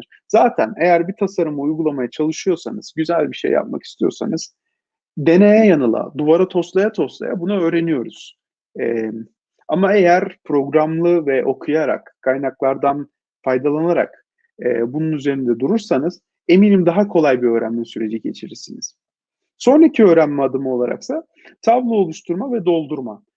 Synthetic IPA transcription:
ɾ̥ | z̥aːt̪ʰæne̞jæɾbit̪ʰasaɾɯmɯujɡulˠamajat͡ʃʰalˠɯʃɯjo̞sanɯz̥ɟyzælʲbiʃḛjːa̰p̚ma̰ki̥st̪ʰijo̞̰ɾsa̰nɯz̥ | d̪e̞nejɛjanɯlˠa̰d̪uvaɾat̪ʰo̞st̪lˠajat̪ʰo̞st̪lˠa̰ja̰bunuø̞ːɾe̞nijo̞ɾuz̥ | ɛ | amae̞jæɾpʰɾo̞ɡɾamlˠɯvɛʔo̞kʰujaɾa̰kkʰːajnaklˠaɾd̪an | fajd̪alˠanaɾa̰k | ɛ̰ːbununyze̞ɾind̪ɛd̪uɾuɾsanɯz̥ | e̞miːnimd̪aɦakʰo̞lˠajbiø̞ːɾæ̰mlʲisyɾe̞d͡ʒiɟe̞̰t͡ʃʰiɾiɾsiniz̥ | so̞nɾacʰiøːɾænmɛad̪ɯmɯo̞lˠaɾa̰ksa | t̪ʰavlˠɯo̞lˠuʃt̪ʰuɾmavɛd̪o̞lˠd̪uɾma

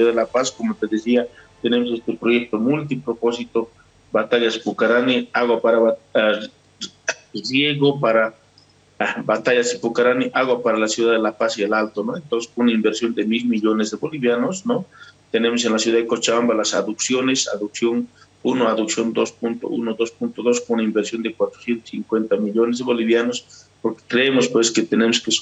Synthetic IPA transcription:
sjuðaðelapaskomot̪eðesiat̪enemos̬est̪epɾojek̚t̪omult̪̬ipɾoposit̪o | bat̪aʝaspukaɾaniaɣwapaɾaβa | rjeɣopaɾa | abat̪aʝasipukaɾaniʔaɣwapaɾalasjuðaðelapasiðelalt̪onoent̪onse̥sunaimbeɾsjo̞nd̪emilmiʎonezðeβoliβjanosnot̪ene̞mos̬enlasjuðaðekot͡ʃaβambalasa̰ðuksjonesa̰ðuksjo̞n | unoaðuksjo̞nd̪osp̚unt̪o̰ʔṵnoðo̞spunt̪oðo̞skounaimbeɾsjo̞nd̪ekwat̪ɾo̥sjent̪o̥siŋkwe̞nt̪amiʎonezðeβoliβjanospoɾke̥kɾeemospwesket̪enemoske

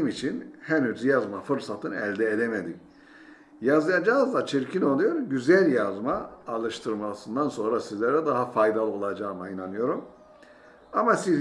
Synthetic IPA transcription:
mit͡ʃʰinhænyzjazmafɯɾsat̪ʰɯnɛlʲd̪ɛed̪emed̪im | jazˠɯjad͡ʒaɦɯzd̪at͡ʃʰiɾcʰino̞lˠujo̞ɾɟyzælʲjazmaːlˠɯʃt̪ʰɯɾmasɯnd̪anso̞nɾasizlʲɛɾɛd̪aɦafajd̪alˠɯo̞lˠad͡ʒaːmainanɯjo̞ɾum | amasiz

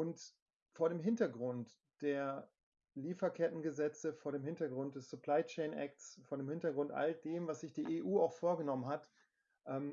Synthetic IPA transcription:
ʔʊnt | foːɐɾeːmɦɪntɐɡʁʊnt | d̥eːɐ | liːfɐkʰɛtn̩ɡəzɛt͡səfoːɐɾeːmɦɪntɐɡʁʊnt̚d̥ɛsz̥upl̥aɪt͡ʃɛɪnʔɛ̰k̚tsfoːɐdeːmhɪntɐɡʁʊntʔa̰ldeːmvasz̥ɪçd̥eːɐʔeʔuːaʊxfoːɐɡənɔmənɦat | ʔɛːm

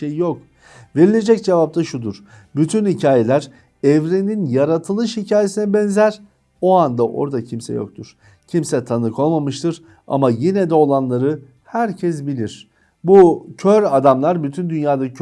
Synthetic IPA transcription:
ejjok | ve̞ɾilʲe̞d͡ʒɛc̚d͡ʒevap̚t̪ʰaʃud̪uɾ̥byt̪ʰynhicʰaːjelʲæɾ | ɛvɾeninjaɾat̪ʰɯlˠɯʃhicʰaːjesinɛbɛnzæɾ̥ | o̞and̪aʔo̞̰ɾd̪acʰimsɛ̰jo̞̰k̚t̪ʰuɾ̥ | cʰimsɛt̪ʰanɯkʰo̞lˠmamɯʃt̪ʰɯɾ | a̰majinɛd̪ɛo̞lˠanlˠaɾɯ | hæɾcʰɛs̬bilʲiɾ̥ | bucʰøɾad̪amlˠaɾbyt̪ʰynd̪ynjaːd̪a

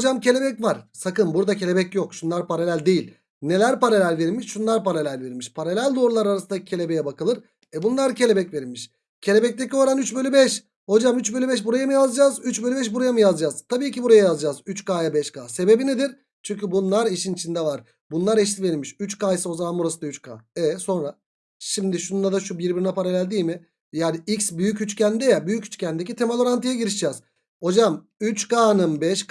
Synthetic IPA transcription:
hod͡ʒamcʰe̞lʲe̞bɛcvaɾsakɯnbuɾd̪acʰe̞lʲe̞bɛcjokʃunlˠaɾpaɾalʲælʲd̪ejilʲ | ne̞lʲæɾpaɾalʲælʲveɾilʲmiʃʃunlˠaɾpaɾalʲælʲveɾmiʃpʰaɾalʲælʲd̪o̞ːɾulˠaɾaɾasɯnd̪acʰe̞lʲe̞bejɛbakɯlˠɯɾ | ɛbunlˠaɾcʰe̞lʲebɛcveɾilʲmiʃ | cʰe̞lʲe̞bɛc̚t̪e̞cʰʲio̞ɾanyt͡ʃbø̞lʲybɛʃ | ho̞d͡ʒamyt͡ʃbølʲybɛʃ̬buɾajamɯjazd͡ʒaːzyt͡ʃbø̞lʲybɛʃ̬buɾajamɯjazd͡ʒaːz̥t̪ʰabiːcibuɾajajazd͡ʒaːzyt͡ʃkaːjabɛʃkʰaːse̞be̞bined̪iɾ | t͡ʃʰyɲʲcybunlˠaɾiʃinit͡ʃʰind̪ɛvaɾ̥ | bunlˠaɾɛʃ̬t̪ʲive̞nimiʃyt͡ʃkajsɯo̞zamanbuɾasɯnd̪ayt͡ʃkʰa̰ːɛso̞nɾa | ʃimd̪iʃund̪ad̪aʃubiɾbiɾinɛpʰaɾalʲælʲd̪iːjmɪ | jaːniicsbyjycyt͡ʃcʰænd̪ɛjɛbyjycy̥t͡ʃcʰʲænd̪ec̬it̪ʰemalʲoɾant̪ʰɯjaɟiɾiʃd͡ʒɛːz̥ | ho̞d͡ʒam | yt͡ʃkaːnɯnbɛʃk

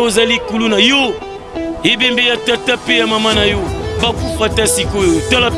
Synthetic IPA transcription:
ozalikulunajo | hebembejatatapejamamanajobakupatasikojotalap

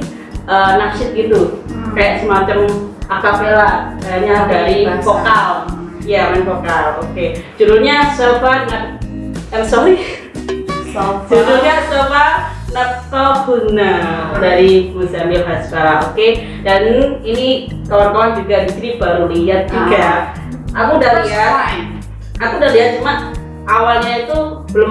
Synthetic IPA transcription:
ʔənasɪt̪̚ɡit̪ukajaʔsəmat͡ʃəmakapeladaaɲadaɾifokaljamanfokaloked͡ʒuɾuɲasobanə | ɛrsɔi | d͡ʒuɾuɲat͡ʃoba | nət̪ɔbunərdaɾibusamilɦasɾaoke | danini | kawart̪aand͡ʒuɡabisinibaɾuliɦat̪̚d͡ʒuɡa | akudalia | akudaliɦat̪̚d͡ʒuma | ʔawalɲait̪u | bəlʊm

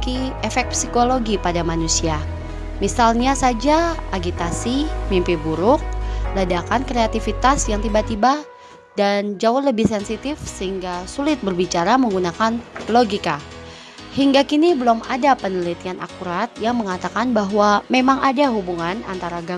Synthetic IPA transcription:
kiɛfɛk̚psikoloɡipadamanusia | misalɲasad͡ʒaaɡit̪asimimpibuɾʊk̚lədakankɾeat̪ifit̪asjaŋt̪ibat̪iba | dand͡ʒaʊləbɪhsɛnsit̪ɪfsəɦiŋɡasulɪt̪̚bərbit͡ʃaɾaməŋɡunakanloɡika | hiŋɡakinibəlɔmadapənəlit̪ianʔa̰kuɾat̪̚jaŋməŋat̪akanbaɦwamemaŋadaɦubuŋana̰nt̪aɾaɡa

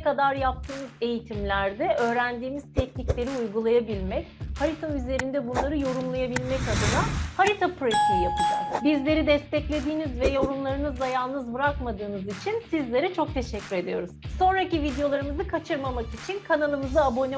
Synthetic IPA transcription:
kad̪aɾjap̚t̪ʰɯːmɯze̞jit̪ʰimlʲæɾd̪ɛʔø̞ːɾænd̪iːmiz̥t̪ʰɛcniclʲe̞ɾiujɡulˠajabilʲmɛchaɾit̪ʰayze̞ɾind̪ɛbunlˠaɾɯjo̞ɾumlˠajabilʲmɛcad̪ɯnahaɾit̪ʰapɾesijapɯd͡ʒa̰kbizlʲe̞ɾid̪ɛst̪ɛclʲe̞d̪iːnizvɛjo̞ɾumlˠaɾɯnɯzlˠajalˠnɯzbɯɾakmad̪ɯːnɯzit͡ʃʰinsizlʲe̞ɾɛt͡ʃʰo̞k̚t̪ʰe̞ʃɛcʰːyɾe̞d̪ijo̞ɾuz̥so̞nɾacivid̪ejo̞lˠaɾɯmɯzɯkʰat͡ʃʰɯɾmamakit͡ʃʰinkʰanalˠɯmɯzaːbo̞ni

